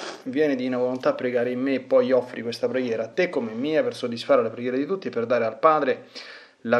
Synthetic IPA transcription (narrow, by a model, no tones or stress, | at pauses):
vjɛːned̪inavolont̪aːpːɾeɡaːɾeimːeːpːɔjɔfːɾikwest̪apɾeɡjɛːɾaːt̪ːekːomemːiːapersod̪ːisfaːɾalapɾeɡjɛːɾed̪it̪ut̪ːieperd̪aːɾealpaːd̪ɾe | la